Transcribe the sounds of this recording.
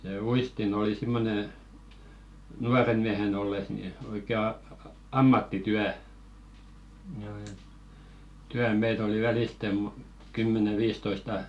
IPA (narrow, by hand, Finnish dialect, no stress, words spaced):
seˑ uistin oli simːone nuɑren miæhen olːes ni oikeˑ ɑ ɑ ɑ ɑmːɑtːityæ tyæ meit oli ʋæliˑste mo kymːene ʋiːstoistɑ